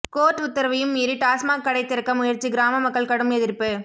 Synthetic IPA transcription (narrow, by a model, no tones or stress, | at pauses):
koːʈʊt̪ːɐɾɐʋɐjɯmːiːɾiʈaːsmaːkːɐɽɐɪt̪ːɪɾɐkːɐmʊjɐɾt͡ʃːiɡɪɾaːmɐmɐkːɐɭkɐɽɯmɛðɪɾpːɯ